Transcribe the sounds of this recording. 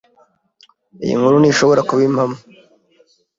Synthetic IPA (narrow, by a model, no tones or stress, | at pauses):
ḭjḭŋhuɾuniʃo̞βo̞ɾakuβimamu